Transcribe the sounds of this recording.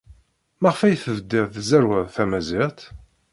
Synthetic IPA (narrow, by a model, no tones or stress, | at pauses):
mæʁəfæjθəvəd̪ːɪʁθzæɾwæðˤθæmæzɪʁt̪